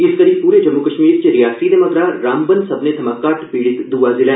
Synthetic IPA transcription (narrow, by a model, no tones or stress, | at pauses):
ɪskəɾiːb̚puːɾeːd͡ʒəmːukəʃmiːɾt͡ʃɾɪjaːsɾiːd̪eməɡɾaːɾaːmbənsəbnet̪ʰəmaːkːaːʈpiːɽɪt̪d̪uːazɪlɛ̃ː